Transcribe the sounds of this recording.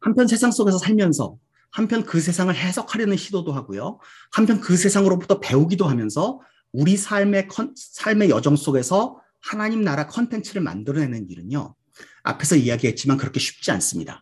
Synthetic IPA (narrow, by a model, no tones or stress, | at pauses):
hampʰjʌns̬ʰe̞sʰaŋs͈oɡe̞sʰʌsʰaɭmjʌnsʰʌ̰ | hampʰjʌnkɯs̬ʰe̞sʰaŋɯɭɦe̞sʰʌkʰaɾjʌnɯnɕʰidodoɦaɡojo | hampʰjʌnkɯs̬ʰe̞sʰaŋɯɾobutʰʌpe̞uɡidoɦamjʌnsʰʌ | uɾisʰaɭme̞kʰʌsʰaɭme̞jʌd͡ʑʌŋs͈oɡe̞sʰʌ | hanaɲimnaɾakʰʌntʰe̞nt͡ɕʰɯɾɯɭma̰ndɯɾʌne̞nɯnḭɾɯɲo̰ | a̰pʰe̞sʰʌiaɡiɦe̞t̚t͡ɕ͈imankɯɾʌkʰe̞ɕʰi̥p̚t͡ɕ͈ia̰ns͈ɯmɲida̰